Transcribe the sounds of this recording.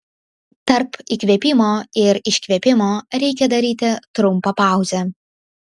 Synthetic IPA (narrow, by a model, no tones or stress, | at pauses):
t̪ɐɾpikʲʋʲɛːpʲɪmoːɪɾɪʃʲkʲʋʲɛpʲɪmoːɾʲɛɪkʲɛd̪ɐɾʲiːt̪ʲɪt̪ɾʊmˑpɐpɑˑʊzʲɛ